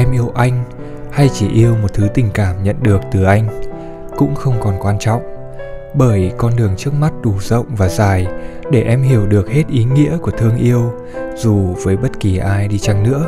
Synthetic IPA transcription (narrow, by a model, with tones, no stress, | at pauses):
ʔɛ˧mʔi˧əwʔa˧jŋ̟ | ha˧jt͡ɕi˧˩ʔi˧əwmo˨˩t̚t̪ʰɨ˨˦t̪ï˨˩ŋ̟kaː˧˩mɲə̰˧˨nɗɨ˨˩ək̚t̪ɨ˨˩ʔa˧jŋ̟ | kʊ̰˧˥ŋ͡mxə˧wŋ͡mkɔ˨˩nkwaː˧nt͡ɕɔ̰˧˨wŋ͡m | ɓəː˧˩jkɔ˧nɗɨ˨˩əŋt͡ɕɨ˦˥ək̚ma˦˥t̚ɗu˧˩z̥ə̰˧˨wŋ͡mvaː˨˩zaː˨˩j | ɗe˧˩ʔɛ˧mɦi˧˩əwɗɨ˨˩ək̚he˦˥t̚ʔi˨˦ŋḭ˧˥əku˧˩ət̪ʰɨ˧əŋʔi˧əw | z̥u˨˩vəː˨˦jɓə˦˥t̚ki˨˩ʔaː˧jɗi˧t͡ɕa˧ŋnɨ̰˧˥ə